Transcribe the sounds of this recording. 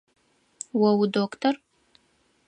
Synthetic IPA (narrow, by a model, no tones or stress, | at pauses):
wɐwudoːktʰɔr